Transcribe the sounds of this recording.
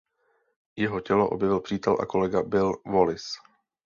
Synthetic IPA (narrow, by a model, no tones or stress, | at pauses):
jɛɦo̞cɛlo̞ʔo̞bjɛvɪlpr̥iːt̪ɛlʔa̰ko̞lɛɡabɪlvo̞lɪs